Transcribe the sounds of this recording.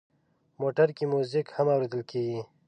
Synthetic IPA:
moːʈəɾkimuzikhamaːwɾed̪əlkeːɡi

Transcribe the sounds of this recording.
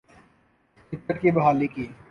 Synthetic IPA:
sɪt̪ːəʈ̪̚kibɐɦaːlikiː

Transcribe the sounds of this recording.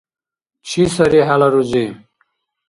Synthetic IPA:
t͡ɕʰisɐɾiɦalɐɾud͡ʑi

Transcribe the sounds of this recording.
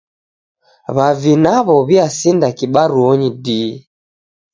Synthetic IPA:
βavinaβɔβiasindakiɓaɾuɔɲidi

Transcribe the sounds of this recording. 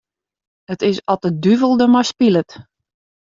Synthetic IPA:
ətɪsɔtədyvəlˠdəmajspilət

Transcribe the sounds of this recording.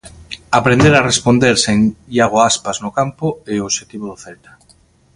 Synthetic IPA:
apɾẽnd̪eɾarespond̪eɾseŋʎaɣ̞oaspaznʊkampoeoʃet̪iβoðʊθelt̪ḁ

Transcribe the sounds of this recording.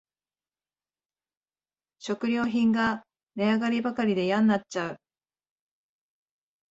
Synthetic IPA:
ɕo̞kɯ̟ɾʲo̞ːçĩŋɡa | ne̞aɡaɾʲibakaɾʲid̪e̞jãnːat͡ɕːaɯ̟

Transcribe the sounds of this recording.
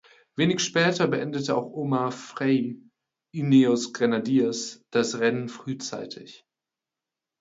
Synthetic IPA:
v̥eːnɪçʃpɛːtʰɐbəʔɛndətəa̰ʊxʔoːmafʁɛɪ | ʔineosɡ̥ʁanadiɐsd̥asʁɛnənfʁ̥yːt͡sa̰ɪtʰɪç

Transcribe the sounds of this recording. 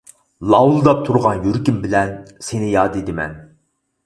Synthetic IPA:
lˠɑwlˠd̪ɑp̚t̪ʰuɾʁɑnjøɾkʲimbɪlɛnsenɪjɑːd̪ed̪ɪmɛ̰n

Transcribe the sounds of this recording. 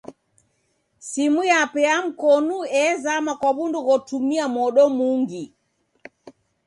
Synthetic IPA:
simujapɛam̩kɔnuɛzamakwaβunduɣɔtumiamɔɗɔmuŋɡi

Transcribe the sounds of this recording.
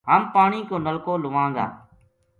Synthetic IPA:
ɦaːmpaːɳiːkoːnəlkoːlʊʋãːŋɡa̰ː

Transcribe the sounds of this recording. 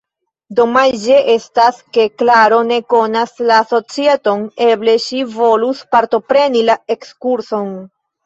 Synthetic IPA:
do̞majd͡ʒe̞ʔe̞staske̞klaɾo̞ne̞ko̞naslaːso̞t͡sieto̞ne̞ble̞ʃivo̞luspaɾto̞pɾe̞nilae̞kskuɾso̞n

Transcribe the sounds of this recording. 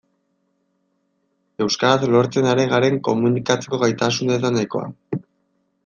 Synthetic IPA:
e̞wskaɾat̪lo̞ɾt͡se̞naɾe̞ɣaɾe̞ŋko̞munikat͡se̞ko̞ɣajt̪asunet̪anajko̞̰a̰

